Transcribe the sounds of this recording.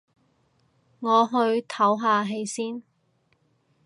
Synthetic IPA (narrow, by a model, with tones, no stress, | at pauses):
ŋɔː˨˧ɦɵ˧ɥt̪ʰɐ˨˥wɦaː˨˧ɦe˧jsiː˥n